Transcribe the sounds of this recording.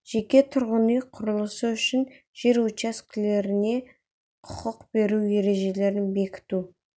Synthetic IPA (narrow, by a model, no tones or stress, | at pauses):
ʒ̥e̞kʲe̞t̪ʰʊɾʁʊnijqʰʊɾəlˠəsəʏʃɪn | ʒ̥e̞ɾwot͡ʃaskʲɪle̞ɾɪne̞ | qʰʊ̥qʊqbe̞ɾuwje̞ɾe̞ʒe̞le̞ɾɪnbe̞kʲɪ̥t̪u